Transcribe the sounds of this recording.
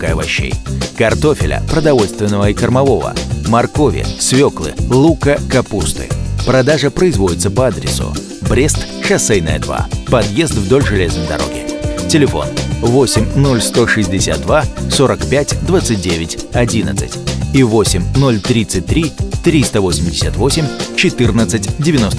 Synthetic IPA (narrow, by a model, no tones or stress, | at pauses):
kəɐvɐɕːḛjkɐrt̪o̞fʲɪlʲə̰pɾəd̪ɐvo̞lʲst̪vʲɪnːəvəikərmɐvo̞və̰mɐrko̞vʲɪ̰svʲoklˠɨ̰lˠukəkɐpust̪ɨ̰pɾɐd̪aʐəpɾəɪzvo̞dʲɪt̪səpəad̪ɾʲɪ̰sʊ̰ | bɾʲest̪ | ʂɐsɛjnə̰jəd̪va̰pɐd̪jezt̪vd̪o̞lʲʐɨlʲe̞znəjd̪ɐ̰ɾo̞̰ɡʲɪ̰tʲɪlʲɪfo̞̰nvo̞sʲɪmʲno̞lʲst̪o̞ʂɨzʲdʲɪsʲa̰t̪̚d̪vaso̞ɾəkpʲætʲd̪vat̪sɨt̚ʲdʲevʲɪtʲɐdʲinə̰t̪sɨ̥̰tʲivo̞sʲɪmʲno̞lʲt̪ɾʲit̪sɨt̚ʲt̪ɾʲit̪ɾʲist̪əvo̞sʲɪmʲdʲɪsʲət̪vo̞sʲɪmʲt͡ɕɪt̪ɨrnət̪sɨtʲdʲɪvʲɪno̞st̪